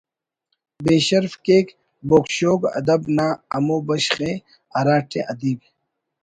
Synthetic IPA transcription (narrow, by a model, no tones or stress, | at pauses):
beːɕɐɾfkeːk | boːkɕoːɡɐ̰d̪ɐbnaːɐmoːbɐɕχe | ɐɾaːʈʰeʔɐd̪iːb